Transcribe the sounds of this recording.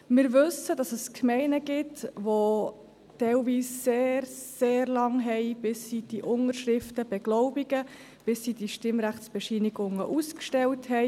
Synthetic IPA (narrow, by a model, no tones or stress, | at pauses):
mɪːɾʋɵsəd̥ɑsəskʰmɛɪnəɡ̥ɪtʋo | tɛlʋiːsseːɾseːɾlɑŋɦɛɪb̥ɪsːid̥iʔʊnəɾʃɾɪftəb̥ɛɡ̥lɔʊbiɡə | b̥ɪsːid̥iʃtɪmɾæχsb̥ɛʃiniɡʊŋə̰ʔuskʃtɛlthɛɪ